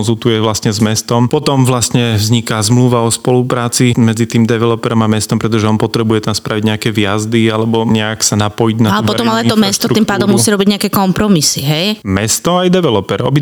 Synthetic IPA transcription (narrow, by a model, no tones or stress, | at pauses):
nzulˠt̪ujɛʋlast̪ɲɛzmɛst̪ɔmpɔt̪ɔmʋlast̪ɲɛvzɲikazmluːʋaɔspɔlupɾaːt͡simɛd͡zit̪iːmd̪ɛʋɛlɔpɛɾɔmamɛst̪ɔmpɾɛt̪ɔʒɛɔnpɔt̪ɾɛbujɛt̪amspɾʔaʋiɟɲɛakɛʋɪjazd̪ialɛbɔɲɛaksanapɔjiɟnaalɛupɔɾɔmalɛait̪ɔmɛstt̪ɔtɾuiːmpaːd̪ɔmːusiɾɔbiɟɲɛakɛːkɔmpɾɔmisiɦɛjmɛst̪ɔajd̪ɛʋɛlɔpɛɾɔ̰bi